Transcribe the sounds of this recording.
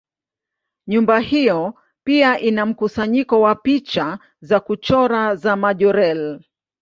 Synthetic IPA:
ɲumbahijɔ | piaʔinam̩kusaɲikɔwapit͡ʃa | zakut͡ʃɔɾazamaʄɔɾɛl

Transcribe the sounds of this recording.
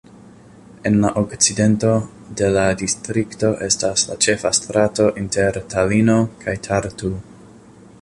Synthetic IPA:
e̞nlaʔo̞kt͡side̞nto̞ | de̞ladistɾikto̞ʔe̞stasla̰t͡ʃe̞fastɾato̞ʔinte̞ɾtalino̞kʰajtʰaɾtu

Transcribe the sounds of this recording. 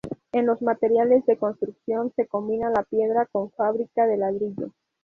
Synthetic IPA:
e̞nlo̞zmat̪e̞ɾjale̞zðe̞ko̞nst̪ɾuksjo̞nse̞ko̞mbinalapje̞ðɾako̞ɱfaβɾikað̞e̞lað̞ɾiʎo̞̰

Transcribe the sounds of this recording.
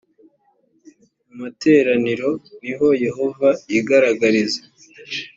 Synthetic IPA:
umate̞ːɾaniɾo̞niɦo̞je̞ɦo̞vajiɡaɾaɡaɾize

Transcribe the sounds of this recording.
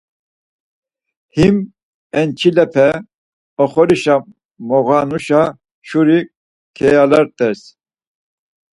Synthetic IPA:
him | ɛnt͡ʃʰilɛpʰɛ | ɔχɔɾiʃa | mɔɣanuʃa | ʃuɾi | kʰɛjalɑɾt̪ɛs

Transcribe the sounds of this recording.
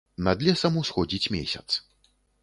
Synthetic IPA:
nad̪lʲɛsɐmusxɔd͡zʲit͡sʲmʲḛsʲɐt̪s

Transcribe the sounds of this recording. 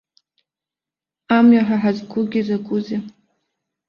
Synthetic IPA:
amɥaħaħazɡʰʷʊɡʲizaɡʷuze

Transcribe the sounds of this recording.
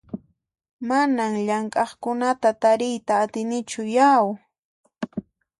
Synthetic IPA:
manaŋʎaŋkʼɑχkʊnat̪at̪aɾɪjt̪aːt̪ɪnɪt͡ʃʊjaw

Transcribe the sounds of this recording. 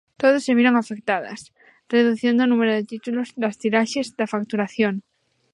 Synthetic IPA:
t̪oðosːeβjeɾo̞ŋafek̚t̪aða̰s | re̞ðuθje̞nd̪onume̞ɾoðet̪it̪ulozðast̪iɾaʃezd̪afak̚t̪uɾaθjoŋ

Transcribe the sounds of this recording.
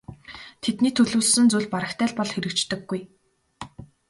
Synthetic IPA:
t̪ʰet̪niːt̪ʰɵɮuːɮsɘ̆nt͡suɮpaɾə̆xt̪ʰæːɮpɔɮxeɾɘ̆kt͡ɕt̪ɘ̆ɡːuj

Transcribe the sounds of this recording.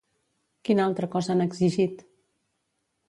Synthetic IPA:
kinalˠt̪ɾəkɔzəanəɡziʒit̪

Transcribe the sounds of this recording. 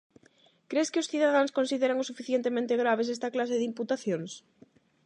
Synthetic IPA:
kɾeskɪʊsθiðaðaŋskonsiðeɾaŋʊsufiθjent̪emẽnt̪ɪɣɾaβ̞es̬ɛst̪ɐklas̬eðimput̪aθjoŋs

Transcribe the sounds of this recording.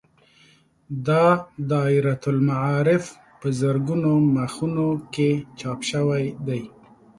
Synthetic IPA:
d̪ɑd̪ɑɪɾat̪ʊlmaʕɑɾɪf | pəzəɾɡunomaxunoket͡ʃɑpʃəwajd̪aj

